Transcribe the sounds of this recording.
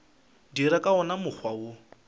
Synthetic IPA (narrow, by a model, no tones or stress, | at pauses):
diɾakʼaɔnamʊk͡xʰwaʊ